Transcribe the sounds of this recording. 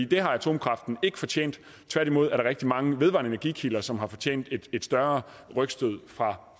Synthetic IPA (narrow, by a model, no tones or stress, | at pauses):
ḭːd̥e̝ɦɑ̈æt͡sʰo̝̰ːmkʰʁɑ̈fd̥n̩e̝ɡ̥ə̥fɒ̽t͡ɕʰḛːn̰d̥ | t͡sʰʋæɐ̰d̥imo̝ð̞̰ˠæɐɾ̥ɑ̈ʁɛɡ̥d̥imɑ̈ŋəʋeð̞ˠʋɑ̰̈ːnəenæɐɡḭːkʰilɐsɒ̽mɦɑ̈fɒ̽t͡ɕʰḛːnd̥ed̥e̝d̥sd̥ɶɐ | ʁœɡ̥sd̥øð̞̰ˠfʁɑ̈